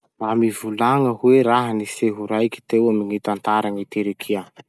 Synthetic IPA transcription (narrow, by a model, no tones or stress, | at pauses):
ramivulaŋəhweɾaɦəniseɦuɾajkʲi̥t̪ewaminit̪ant̪aɾaŋit̪eɾikʰia